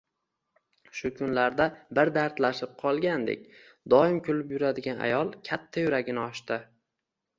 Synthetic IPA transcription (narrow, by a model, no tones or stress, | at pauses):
ʃʊkʰʊnlaɾd̪abɪɾd̪aɾt̪laʃɪp̚qʰɒlˠɡʲand̪ḛk̚ʲ | d̪ɒɪmkʰʲʊlɪpjʊɾad̪ɪɡʲana̰jɒlˠkʲʰat̪ʰːajʊɾaɡʲɪnɪɒʃt̪ɪ